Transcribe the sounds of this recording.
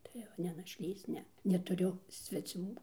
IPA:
ˈtɐɪ jɛʊ nʲɛ nɐʃʲˈlʲiːs ˈnʲɛ nʲɛtʊˈrʲʊ sʲʋʲɛˈt͡sʲuː

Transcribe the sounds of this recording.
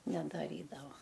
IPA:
nʲɛdɐˈrʲiːdɐʋɐ

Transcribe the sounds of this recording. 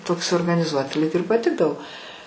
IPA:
ˈtoːks oːrɡɐnʲɪˈzuɔtʲɪ lʲiːk ɪr pɐˈtʲɪɡdɐʋoː

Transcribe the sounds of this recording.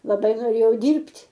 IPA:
lˠɐˈbɐɪ noːˈrʲeːjɛʊ ˈdʲiːrʲpʲtʲ

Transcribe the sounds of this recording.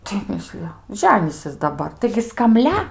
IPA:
tɐɪ ˈmʲɪsʲlʲɪjɛ ˈʒʲæːnʲiːsʲɪs dɐˈbɐr tɐɪɡʲɪ skɐmʲˈlʲɛ

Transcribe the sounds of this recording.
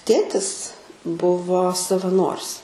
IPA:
ˈtʲeːtʲɪs ˈbʊʋoː sɐʋɐˈnoːrʲɪs

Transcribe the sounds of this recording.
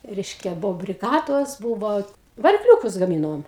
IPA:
ˈrʲɛɪʃʲkʲɛ ˈbuɔ bʲrʲɪˈɡɑːdoːs buːʋoː ʋɐrʲɪkˈlʲuːkʊs ɡɐˈmʲiːnoːm

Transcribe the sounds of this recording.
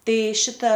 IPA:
ˈtɐɪ ˈʃʲɪtɐ

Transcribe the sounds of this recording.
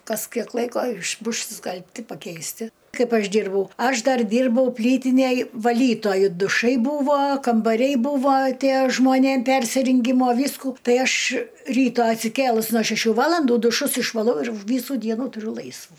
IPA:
ˈkɐs ˈkʲiɛk ˈlˠɐɪkoː ɪʃ ˈbʊʃs ɪʃskɐlʲpʲˈtʲɪ pɐkʲɛɪsʲˈtʲɪ ˈkɐɪp ˈɐʃ ˈdʲiːrbɐʊ ˈɐʃ ˈdɐr ˈdʲiːrbɐʊ ˈpʲlʲiːtʲɪnʲeːj ʋɐˈlʲiːtoːjʊ dʊˈʃɐɪ ˈbuːʋoː kɐmbɐˈrʲɛɪ ˈbuːʋoː ˈtʲiɛ ʒmoːˈnʲeːm ˈpʲɛrʲsʲɪrʲɪŋʲɡʲɪmoː ˈʋʲiːskʊ ˈtɐɪ ˈɐʃ ˈrʲiːtɐ ɐtʲsʲɪˈkʲeːlˠʊs noː ʃʲɛˈʃʲuː ˈʋɑːlˠɐnduː dʊˈʃʊs ɪʃʋɐˈlˠɐʊ ɪr ˈʋʲiːsuː ˈdʲiɛnuː tʊˈrʲʊ ˈlˠɐɪsʋuː

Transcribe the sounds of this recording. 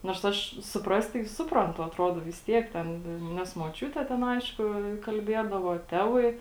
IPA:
noːrs ˈɐʃ sʊˈprɐst tɐɪ ˈsʊprɐntʊ ɐtˈroːdoː ʋʲɪs ˈtʲiɛk ˈtʲɛn ˈnʲɛs moːˈt͡ʃʲuːtʲɛ ˈtʲɛn ˈɐɪʃkʊ kɐlʲˈbʲiɛdɐʋoː ˈtʲæːʋɐɪ

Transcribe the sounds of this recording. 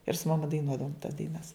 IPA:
ɪr sʊ mɐˈmɐ dɐɪˈnuɔdɐʋoːm tɐs dɐɪˈnɐs

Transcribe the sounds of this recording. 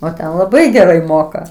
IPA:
oː ˈtʲɛn lˠɐˈbɐɪ ɡʲɛˈrɐɪ ˈmoːkɐ

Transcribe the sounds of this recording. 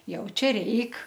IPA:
ˈjɛʊ ˈt͡ʃʲɛ ˈrʲɛɪk

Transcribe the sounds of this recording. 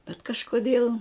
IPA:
bʲɛt kɐʃkoːˈdʲeːlˠ

